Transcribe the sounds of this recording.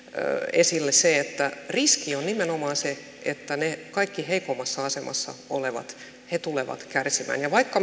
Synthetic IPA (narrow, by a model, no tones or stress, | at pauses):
esilːesseet̪ːæriskionnimenomɑːnse | ʔet̪ːænekɑikːiheikomːɑsːɑɑsemʔɑ̰sːɑ̰oleʋɑ̰t̪ | het̪uleʋɑ̰t̪kærsimæ̰ːnjɑʋɑikːɑ